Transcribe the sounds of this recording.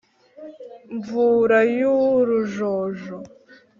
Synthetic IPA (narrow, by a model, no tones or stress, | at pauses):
ɱvuɾajuɾuʒoʒo